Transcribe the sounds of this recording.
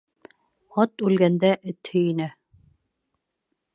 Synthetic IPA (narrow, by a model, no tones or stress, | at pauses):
ɒt̪ʉlɡænd̪æʔɘ̆t̪hɵinæ